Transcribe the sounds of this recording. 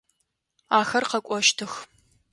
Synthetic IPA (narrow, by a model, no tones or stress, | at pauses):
aːxɐrqɐkʷʼɔʃtʰɨx